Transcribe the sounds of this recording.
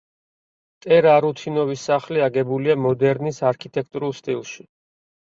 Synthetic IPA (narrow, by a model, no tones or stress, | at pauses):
t̪ʼɛɾaɾut̪ʰinɔvisːaχliaɡɛbuliamɔd̪ɛɾnisaɾkʰit̪ʼɛk̚ʰt̪ʼuɾulˠst̪ʼilˠʃi